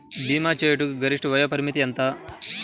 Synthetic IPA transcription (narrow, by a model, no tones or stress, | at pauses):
biːmaːt͡ʃeːjɐʈuɡɐɾiʂʈʋɐjɐːpɐɾimit̪iɐnt̪ɐ